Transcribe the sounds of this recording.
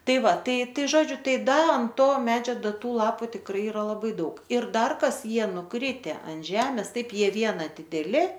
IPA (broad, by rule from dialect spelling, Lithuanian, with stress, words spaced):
ˈtɐɪ ˈʋɐ ˈtɐɪ ˈtɐɪ ˈʒoːd͡ʒʲʊ ˈtɐɪ ˈdɐ ɐn ˈtoː ˈmʲæːd͡ʒʲoː ˈdɐ ˈtuː ˈlˠɑːpʊ tʲɪkˈrɐɪ ɪˈrɐ lˠɐˈbɐɪ ˈdɐʊk ɪr ˈdɐr ˈkɐs ˈjiɛ nʊˈkrʲɪtʲɛ ɐn ˈʒʲæːmʲɛs ˈtɐɪp ˈjiɛ ˈʋʲiɛnɐ dʲɪdʲɛˈlʲɪ